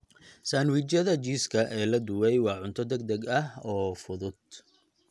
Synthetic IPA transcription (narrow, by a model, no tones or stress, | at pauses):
saːnwɪt͡ʃɐðɐt͡ʃiːskʰɐʔɛːlɐd̪ʊwɛjwɑːʕʊnt̪ʰɔd̪ɛɡ̚d̪ɐɡɐɦɔːfʊðʊd̪̥̚